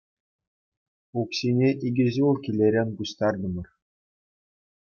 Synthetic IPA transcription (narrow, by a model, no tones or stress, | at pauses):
ukɕinʲeʔiɡʲɘ̆ʑulˠkʲilʲːeɾʲenʲɡuɕt̪ɑrd̪ɤ̆mɤ̆r